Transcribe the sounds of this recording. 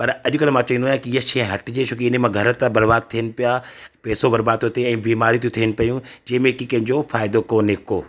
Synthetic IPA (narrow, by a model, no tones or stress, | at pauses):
pɐɾɐʄʊkɐl̃mãːt͡ɕɐind̪aːɦkiɪɦəʃẽɦɐʈɪd͡ʑet͡ɕʰoːkeɪnmãɡʱɐɾət̪abɐɾbaːd̪̚t̪ʰiənɪ̆pijapɛːsobɐɾbaːt̪ːjot̪eɛ̃ːbiːmaːɾit̪ijũt̪ʰiːənɪ̆pɐjũd͡ʑɛ̃ːmẽkikɐ̃ɦɪ̃ɲd͡ʑofaːɪd̪okoːneːkoː